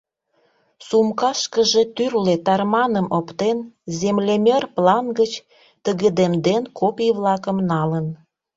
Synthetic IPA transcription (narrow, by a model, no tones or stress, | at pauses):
sumkɑʃkəʒe̽t̪yrlet̪ɑrmɑnəmʔopt̪enzemlemʲerplɑnɡət͡ɕ | t̪əɣəd̪emd̪enkʰopʲiβlɑkəmnɑlən